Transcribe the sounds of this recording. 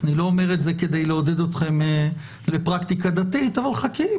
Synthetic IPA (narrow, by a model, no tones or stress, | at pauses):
nilo̞ome̞ʁ̞etzeke̞d̪e̞jleo̞d̪e̞d̪o̞t̪χe̞m | le̞pʁakt̪ikad̪at̪it̪avalχaki